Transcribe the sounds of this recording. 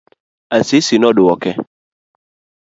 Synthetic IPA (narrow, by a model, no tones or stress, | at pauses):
asisinɔ̃ɖʊwɔkɛ